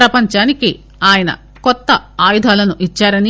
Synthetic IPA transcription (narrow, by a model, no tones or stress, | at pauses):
ɾɐpɐɲt͡ʃaːniki | aːjɐnɐ̰ | kɔt̪ːɐaːjud̪ʱaːlɐnuʔit͡ʃːaːɾɐni